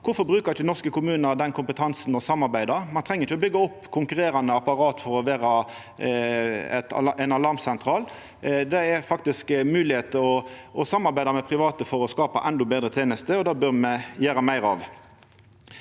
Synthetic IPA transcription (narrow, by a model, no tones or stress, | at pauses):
kʰʊfɔbʁʉːkəçnɔʁskəkʊmʉːnəɾd̪ɛnkʰʊmpət̪ʰɑnsnɔsɑmːɑʁbæɪd̪əɾmɑnt̪ʰʁɛŋːəɾɪçəɔbʏɡːɑɔpːkʰʊŋkʉʁeːɾɑnəɑpɑɾɑːt̪fɔɾɔʋæːɾɑ | ɛ̰t̪ʔæɪnɑlɑʁmsɛnt̪ʰɾɑːl | d̪ɛɛɾfɑk̚t̪ɪskmʉːlɪheːt̪əɔʔɔsɑmːɑɾbæɪd̪ɑmɛpʰɾɪʋɑːt̪əfɔɾɔskɑːpɑʔɛnd̪ɔbeːd̪ʁət̪ʰeːnəst̪əɔd̪ɑːbœʁmɛjæːɾəmæɪɾɑ̰ʋ